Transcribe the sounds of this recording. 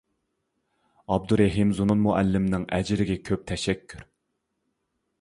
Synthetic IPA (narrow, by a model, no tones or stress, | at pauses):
ɑb̚d̪uɾæɦimzununmʊʔælːɪmnɪŋʔɛd͡ʒɪɾɪɡʲɛkʲʰøp̚t̪ʰɛʃɛkʲʰːyɾ